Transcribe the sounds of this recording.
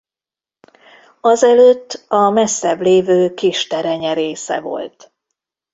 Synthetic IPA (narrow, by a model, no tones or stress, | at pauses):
ɒzɛløːt̪ːɒmɛsːɛbleːvøːkiːʃt̪ɛɾɛɲɛɾeːsɛ̰vo̞̰lt̪